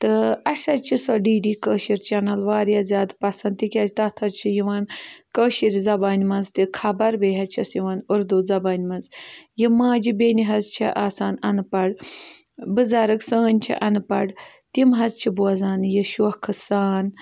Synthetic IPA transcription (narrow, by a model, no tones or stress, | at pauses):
t̪ɨɐʃɐt͡ʃʰisɔːɖiːɖiːkəːʃiɾt͡ʃɐnɐlʋaːɾjaːzʲaːd̪pɐsɐnt̪ikʲaːzʲit̪ɐt̪ʰɐt͡ʃʰijiʋaːnkəːʃiɾizɐbaːnʲimɐnzt̪ikʰɐbɐɾbeːɦɐt͡ʃʰɐsjiʋaːnuɾd̪uːzɐbaːnʲmɐnzjimãːd͡ʒibeːniɦɐzt͡ʃʰiʔaːsaːnɐnpɐɽ | bɨzaːɾɨksəːnʲt͡ʃʰḭʔɐnɨpɐ̰ɽt̪imɦɐzt͡ʃʰibuɐzaːnjiʃuhkʰɨsaːn